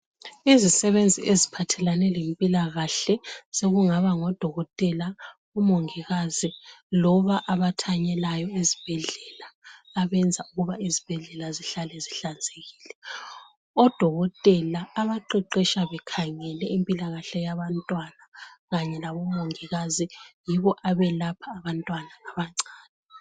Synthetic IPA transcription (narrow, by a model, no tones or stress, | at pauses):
izisɛβend͡zʱiʔezipʰatʰɛlanɛlempʼilaɣaɬɛseɣuŋaβaŋɔd̥ʱɔɣɔtʼɛla | umoŋiɣazilɔβaʔaβatʰaɲɛlajɔezib̥ʱɛɮɛlaːβɛnd͡zʱauɣuβaizib̥ʱɛɮɛlaziɬalɛziɬand͡zʱeɣiːlɛ | ɔd̥ʱɔɣɔtʼɛlaːβaǃɛǃɛʃaβɛkʰaŋɛlɛimpʼilaɣaɬɛjaβantʼwanaɣaɲɛlaβɔmoŋiɣazijiβɔʔaβɛlapʰaːβantʼwanaŋaβaŋ͡ǀaːnɛ